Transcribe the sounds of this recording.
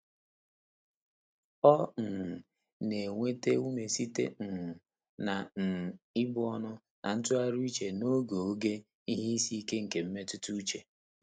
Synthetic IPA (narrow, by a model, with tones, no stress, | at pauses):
ɔ˦n̩˨ | ne˨ŋʷe˦te˦u˦me˨si˦tḛ˦n̩˨ | na˨n̩˨ɪ˦bʊ˦ɔ˦nʊ˦ | nʔa˨n̩˦tʊ˦a˦ɾu˦i˦t͡ʃe˨no˦ɡo˨o˦ɡe˦ | i˦ɦi˦i˦si˦ke˦ŋ̩˨ke˨m̩˦me˦tʊ˦tu˦u˦t͡ʃe˨